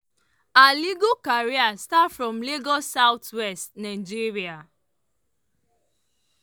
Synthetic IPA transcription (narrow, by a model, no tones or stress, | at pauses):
aliɡokaɾiastafɹɔ̃mleɡɔsaʊtwɛstnaɪd͡ʒiɹia